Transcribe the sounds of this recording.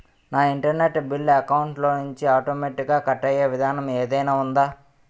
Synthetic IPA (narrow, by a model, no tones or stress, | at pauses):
naːiɳʈɐɾneʈːbilːɐkɐwuɳʈloːnuɲt͡ʃiaːʈoːmeːʈikɡaːkɐʈːɐjeːʋid̪ʱaːnɐmeːd̪ɐjnaːund̪aː